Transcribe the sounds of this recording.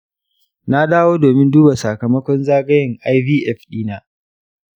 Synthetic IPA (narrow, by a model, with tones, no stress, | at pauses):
na˦daː˦woː˦doː˨mɪ˦nduː˦ba˨sa˨kɐ˨mɐ˦kʷɔ˦nzaː˦ɡɐ˦jɪ˨ŋʔa˦jviː˦ʔɛ˦˨ɸɗiː˦naː˦